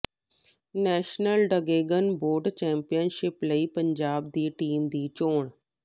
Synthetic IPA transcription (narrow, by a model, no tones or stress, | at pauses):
nɛːʃnəlɖəɡeːɡənboːɖt͡ʃɛ̃ːmpijənʃɪpləipɐ̃ɲd͡ʒaːb̚d̪iːʈiːmd̪iːt͡ʃoːɳ